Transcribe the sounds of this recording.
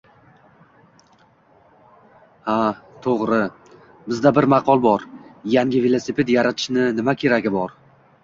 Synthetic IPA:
hat̪ʰoʁɾɪ | bɪzd̪abɪɾmaqʰɒlˠbɒɾjaŋʲɪvelˠosepʰe̞t̪jaɾat̪ʰɪ̥ʃnɪnɪmakʲʰe̞ɾaɡʲɪbɒɾ

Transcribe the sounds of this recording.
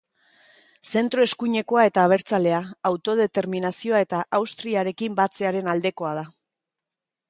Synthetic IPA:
se̞nt̪ɾo̞e̞skuɲe̞ko̞ae̞t̪aːβ̞eɾt͡sale̞aːwt̪o̞ð̞e̞t̪e̞ɾminasio̞ae̞t̪aʔawst̪ɾiaɾe̞kimbat͡se̞aɾe̞nald̪e̞ko̞að̞a

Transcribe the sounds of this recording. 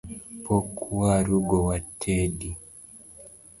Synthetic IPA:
pɔkʰuwaɾuɡɔwatʰeɗi

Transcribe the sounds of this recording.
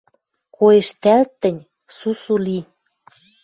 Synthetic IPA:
koeʃt̪ælt̪ːə̆nʲ | susuli

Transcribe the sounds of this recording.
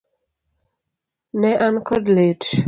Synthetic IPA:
nɛʔankɔdlet

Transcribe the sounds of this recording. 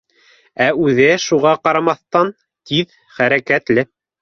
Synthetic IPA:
æʉðɘʃuʁɑqɑɾɑmɑθt̪ɑn | t̪ið | χæɾækæt̪lɘ

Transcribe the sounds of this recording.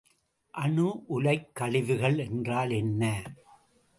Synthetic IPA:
ʔɐɳɯʔʊlɐɪkːɐɭɪðɯɣɐɭɛndraːlɛnːɐ

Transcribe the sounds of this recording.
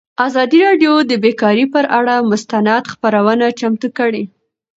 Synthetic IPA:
azɑd̪iɾɑɖjod̪əbekɑɾipəɾʔaɽamʊst̪anad̪xpaɾawənat͡ʃamt̪ukəɽe

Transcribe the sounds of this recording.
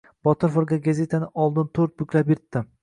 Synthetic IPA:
b̥ɒt̪ʰɪɾfoɾɡʲaɡazʲe̞t̪ʰanɪʔɒlˠd̪ɪnt̪ʰɵɾt̪̚bʊkʲlapjeɾt̪ːɪ

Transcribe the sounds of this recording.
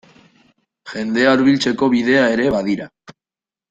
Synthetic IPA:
ʝe̞nd̪e̞auɾβilt͡se̞ko̞βiðe̞ae̞ɾe̞βaðiɾa

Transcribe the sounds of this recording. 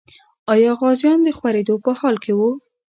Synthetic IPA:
ɑjɑɣɑzjɑnd̪əxwaɾed̪opəhɑlkʰewu

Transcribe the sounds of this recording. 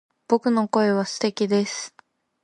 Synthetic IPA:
b̥o̞kɯ̟no̞ko̞e̞β̞asɨ̥t̪e̞kʲid̪e̞sɨ̥

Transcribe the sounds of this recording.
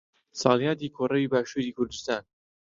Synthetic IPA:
sɑːljɑːt̪iːkʰorɐwiːbaːʃuːɾiːkʰʊɾd̪ɨst̪aːn

